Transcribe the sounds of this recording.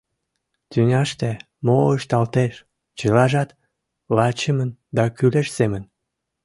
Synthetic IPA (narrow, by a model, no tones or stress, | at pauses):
t̪ynʲɑʃt̪e | moəʃt̪ɑlt̪eʃ | t͡ɕəlɑʒɑt̪ | lɑt͡ɕəmənd̪ɑkyleʃsemən